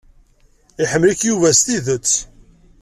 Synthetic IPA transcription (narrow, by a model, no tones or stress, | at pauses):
iħəmːlikjuvæst̪iðət͡sː